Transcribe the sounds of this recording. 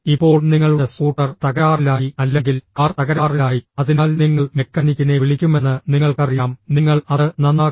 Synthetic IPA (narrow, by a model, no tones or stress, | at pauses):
ipːo̞ːɭniŋːɐɭuɽesuːʈːɐrt̪ɐɣɐɾaːrilaːjiɐlːe̞ŋɡilkaːrt̪ɐɣɐɾaːrilaːjiɐðinaːlniŋːɐɭmekːɐnikʲːuneʋiɭikʲːume̞nːɨniŋːɐɭkɐrijaːmniŋːɐɭɐðɨnɐnːaː